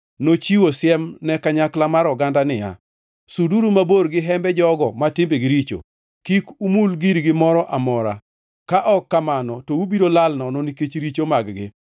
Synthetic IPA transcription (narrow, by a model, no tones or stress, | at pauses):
not͡ʃiwosjɛmnɛkaɲaklamaɾɔɡandanɪja̰ | suduɾumaboɾɡɪɦɛmbɛd͡ʒɔɡɔmatɪmbeɡiɾit͡ʃo̰ | kikumulɡiɾɡɪmɔɾɔʔamɔɾa̰ | kaʔɔkːamanɔtoubidolalnɔnɔniket͡ʃɾit͡ʃomaɡɡɪ̰